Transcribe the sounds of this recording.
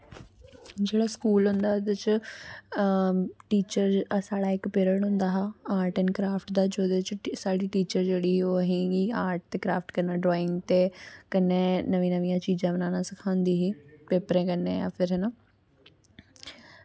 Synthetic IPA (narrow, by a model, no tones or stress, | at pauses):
d͡ʒeːɽaːskuːlɦʊ̃nd̪aːod̪et͡ʃ | ʈiːt͡ʃəɾsaːɽaːɪkpeːɾəɳɦʊ̃nd̪aːɦaaːɾʈɛnkɾaːpʰʈd̪aːd͡ʒoːd̪et͡ʃsaːɽiːʈiːt͡ʃəɾd͡ʒeːɽiːɦoːəɦĩːɡiaːɾʈ̚t̪eːkɾaːpʰʈkənãːɖɾoːɪŋɡt̪eːkənːẽːnəʋĩːnəʋĩjãːt͡ʃiːd͡ʒãːbənãːnaːsɪkʰãːnd̪iːɦiːpeːpəɾɛ̃ːkənːẽːja̰ːpʰɪɾɦɛnaː